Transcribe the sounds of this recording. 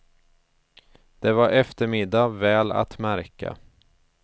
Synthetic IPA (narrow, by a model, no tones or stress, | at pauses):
d̪̥ɛvaɾɛft̪əɾmɪd̪ːavɛːla̰t̪mæɾka̰